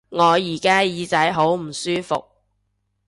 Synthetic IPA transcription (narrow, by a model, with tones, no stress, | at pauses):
ŋɔː˨˧jiː˨˩kaː˥jiː˨˧t͡sɐ˨˥jɦo˨˥wm̩˨˩syː˥fʊ̰˨k̚